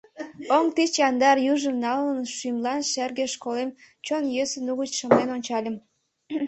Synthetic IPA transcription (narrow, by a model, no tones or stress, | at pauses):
oŋt̪it͡ɕjɑnd̪ɑrjuʒəmnɑlənʃymlɑnʃerɣeʃkolem | t͡ɕonjøsənuɣət͡ɕʃə̆mlenonʲt͡ɕɑlʲə̆m